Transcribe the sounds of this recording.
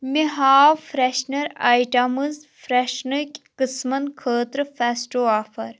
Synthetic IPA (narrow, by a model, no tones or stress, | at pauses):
miɦaːfɾeʃnɐɾajʈɐmɨzfɾeʃnɨkʲkɨsmɐnkʰəːt̪ɾɨfɛsʈoːaːfɐɾ